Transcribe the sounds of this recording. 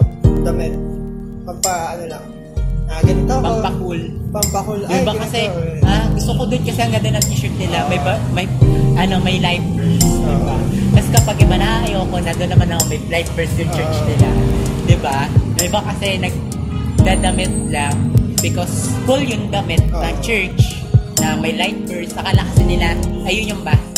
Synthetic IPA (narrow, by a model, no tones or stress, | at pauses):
d̪ɐmɛt̪̚ | pɐpɐnolɐŋ | ɐpɐŋpɐkulɐpɐkljʊnbakɐsɛʔaɡʊst̪okod̪onkɐsɛɐŋɡɐnd̪onɐŋʔiːʃʊt̪̚nɪlamɐjbɐmɐjʔɐno̞mɐjlajfɛd̪ɪbak̪ɐskɐpaɡ̚ɪbɐnɐʔaʔɐjoɐko̞nad̪onːɐmanɐkoŋmɐjlajf̚bɛɹsjʊŋt͡ʃɛɹt͡ʃnɪla̰d̪ɪbaɐjbakɐsɛnɐɡ̚ | d̪ad̪ɐmɪt̪̚lɐŋbɪkosfʊljʊŋd̪ɐmɪt̪̚nɐŋt͡ʃɛɹt͡ʃ | nɐmɐjlajf̚bɛɹsɐkɐlɐkɐsɪnɪlaʔɐjoɲʊŋbɐ